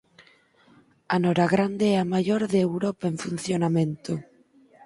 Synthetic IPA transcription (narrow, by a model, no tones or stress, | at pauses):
anɔɾaɣɾand̪eɛamaʎoɾðeewɾɔpaeɱfun̟θjonamẽnt̪o